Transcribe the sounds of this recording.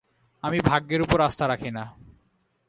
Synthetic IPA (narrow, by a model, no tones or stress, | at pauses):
amibʱaɡːeɾupoɾast̪aɾakʰina